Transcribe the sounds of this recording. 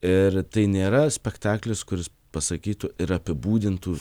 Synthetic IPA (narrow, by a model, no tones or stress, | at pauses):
ɪrt̪ɐɪnʲeːɾɐsʲpʲɛkt̪ɑːklʲɪskʊɾʲɪs | pɐsɐkʲiːt̪uɪɾɐpʲɪbuːd̪ʲɪnt̪uː